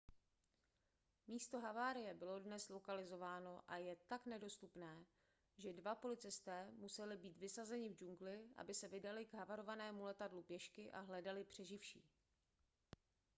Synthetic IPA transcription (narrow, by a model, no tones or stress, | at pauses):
miːst̪o̞ɦavaːɾɪjɛbɪlo̞dnɛslo̞kalɪzo̞vaːno̞ʔajɛt̪aknɛdo̞st̪upnɛː | ʒɛdvapo̞lɪt͡sɪst̪ɛːmusɛlɪbiːt̪vɪsazɛɲɪvd͡ʒuŋɡlɪʔa̰bɪsɛvɪdalɪɡɦavaɾo̞vanɛːmulɛt̪adlupjɛʃkɪʔa̰ɦlɛdalɪpr̝̥ɛʒɪfʃḭː